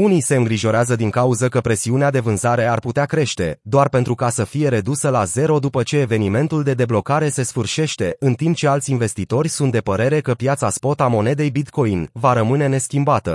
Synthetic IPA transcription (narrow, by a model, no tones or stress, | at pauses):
unise̞ɨŋɡɾiʒo̞ɾeazəd̪iŋkauzəkəpɾe̞siunead̪e̞vɨnzaɾe̞arput̪eakɾe̞ʃt̪e̞̰d̪oarpe̞nt̪ɾukasəfije̞ɾe̞d̪usəlaze̞ɾo̞d̪upət͡ʃe̞ːve̞nime̞nt̪uld̪e̞d̪e̞blo̞kaɾe̞se̞sfɨrʃe̞ʃt̪e̞ɨnt̪imp̚t͡ʃe̞alt̪sʲinve̞st̪it̪o̞rʲsunt̪̚d̪e̞pəɾe̞ɾe̞kəpjat̪saspo̞t̪amo̞ne̞d̪e̞jbit̪ko̞invaɾəmɨne̞ne̞skʲimbat̪ə